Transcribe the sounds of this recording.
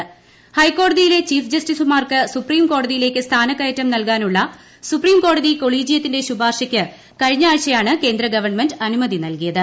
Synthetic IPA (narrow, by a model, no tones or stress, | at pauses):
hɐjkːo̞ːɽɐðijile̞t͡ɕiːfd͡ʑɐstisumaːrkɨsupriːmko̞ːɽɐðijile̞ːkːɨst̪ʰaːnɐkːɐjɐtːɐmnɐlkaːnuɭːɐ | supriːmko̞ːɽɐðiko̞ɭiːd͡ʑijɐt̪ːinde̞ɕubaːrʂɐkʲːɨ | kɐɻiɲːaːɻɕɐjaːɳɨke̞ːnd̪rɐɡɐʋɐrɳmendɐnumɐðinɐlkijɐðɨ